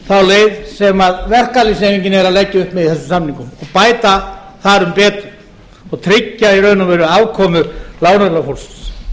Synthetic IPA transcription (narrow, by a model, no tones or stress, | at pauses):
θawleːjðsɛmaðvɛr̥kalisemiɲcɪnɛɾalɛcːɪʏhpmɛðiθɛs̬ːʏmsamniŋkʏmɔɣpaːjt̪a | θaɾʏmpɛːt̪ʏ | ɔɣt̪ʰɾɪcːaiɾœɥnʏmvɛːɾʏaːwkʰɔːmʏlaːwnœɾlafowlss